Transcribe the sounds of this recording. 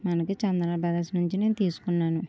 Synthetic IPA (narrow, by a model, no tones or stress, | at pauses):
mɐnɐkit͡ʃɐnd̪ɾɐbɐd̪ɐsnuɲt͡ʃine̞ːnut̪iːsu̥kunːaːnu